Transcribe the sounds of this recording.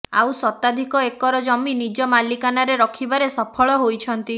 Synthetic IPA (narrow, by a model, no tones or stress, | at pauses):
a̰wsɔt̪ad̪ʱikɔekɔɾɔd͡ʒɔminid͡ʒɔmalikanaɾeɾɔkʰibaɾesɔpʰɔɭɔɦojt͡ʃʰɔnt̪i